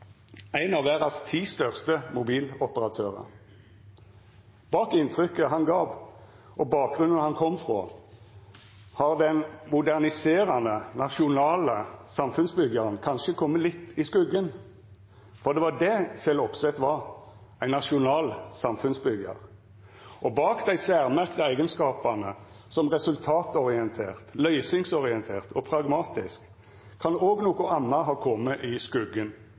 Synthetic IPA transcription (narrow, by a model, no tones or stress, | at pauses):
æɪnɑʋæːʁɑst̪ʰiːst̪œʁst̪əmʊbiːlɔpəʁɑt̪ʰøːʁə̰ | b̥ɑːkɪnt̪ʰʁʏkəɦɑnɡɑːʋ | ʔɔbɑːk̚ɡʁʉnənhɑnkʰɔmfʁo̰ː | hɑʁd̪ɛnmʊd̪æʁnɪseːʁɑnənɑʃʊnɑːləsɑmfʉnsbʏɡɑʁənkʰɑnʃəkʰɔmːəlɪt̪ːɪskʉɡən | fɔʁd̪ɛʋɑd̪ɛçɛlɔpsɛt̪ʋɑʁ | æɪnːɑʃʊnɑːlsɑmfʉnsbʏɡɑ̰ʁ | ʔɔbɑːkd̪æɪsæːʁmæʁkt̪əæɪɡənskɑːpɑnə | sɔmʁɛsʉlt̪ʰɑːt̪ɔʁɪɛnt̪ʰeːʁt̪lœʏsɪŋsɔʁɪɛnt̪ʰeːʁt̪ʰɔpʰʁɑɡmɑːt̪ɪskʰː | ɑnoːɡnoːkʊʔɑnːəɦɑːkʰɔmːəʔɪskʉɡːən